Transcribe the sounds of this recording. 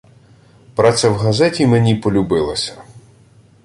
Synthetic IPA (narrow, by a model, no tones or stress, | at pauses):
pɾat̪sʲɛwɦɐzɛtʲimenʲipɔlʲʊbɪlˠɐsʲɐ̥